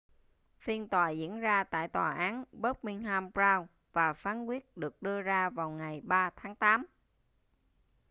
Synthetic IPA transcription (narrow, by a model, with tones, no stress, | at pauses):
fi˧ənt̪waː˨˩zḭ˧˥ənzaː˧t̪a̰ː˧˨jt̪wa̰ː˨˩ʔaː˨˦nɓə˦˥t̚mi˧ŋhaː˧mpzaː˧w | vaː˨˩faː˨˦nkwi˦˥ət̚ɗɨ˨˩ək̚ɗɨ˧əzaː˧vaː˨˩wŋa˨˩jɓaː˧t̪ʰaː˨˦ŋt̪aː˨˦m